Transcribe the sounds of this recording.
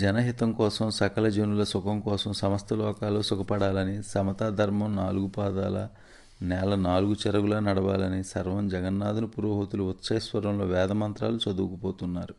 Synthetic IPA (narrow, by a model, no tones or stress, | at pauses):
d͡ʒɛnɐɦit̪ɐmkɔːsɐmsɐkɐlɐd͡ʒenulɐsukɐmkɔːsɐmsɐmɐst̪ʰɐlɔːkaːloːsukɐpɐɽaːlɐnisɐmɐt̪aːd̪ʱɐɾmɐmnaːluɡupaːd̪aːlɐ̰ | nɛːlɐnaːluɡut͡ʃɛɾɐɡulɐnɐɽɐʋaːlɐnisɐɾʋɐmd͡ʒɛɡɐnːaːd̪unupuɾoːɦot̪uluut̪ːʃɐjɐsʋɐɾɐmlo̞ːʋɛːd̪ɐmɐnt̪ɾa̰ːlut͡ʃɐd̪uːkupoːt̪unːaːɾu